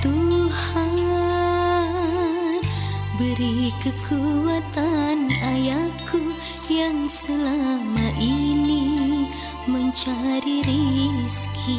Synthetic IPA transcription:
t̪uha | nbəɾikəkʰuat̪anajakʰu | jaŋsəlamaʔini | məɲt͡ʃaɾiɾiskʰi

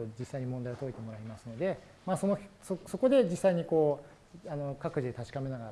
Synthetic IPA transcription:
od͡ʑisːaiɲ̟imõnd̪aio̞t̪oit̪e̞mo̞ɾaimasɨno̞d̪e̞ | maːso̞nososo̞ko̞d̪e̞d͡ʑisːaiɲ̟iko̞ː | ano̞kakɯ̟ʑid̪e̞t̪aɕi̥kame̞naɡaɾ

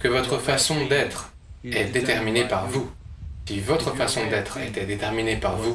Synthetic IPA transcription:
kəvɔt̪χəfasɔ̃d̪ɛt̪χ | ɛd̪et̪ɛʁminepaʁvusivɔt̪χəfasɔ̃d̪ɛt̪χɛ̰t̪ɛd̪et̪ɛʁminepaʁvu

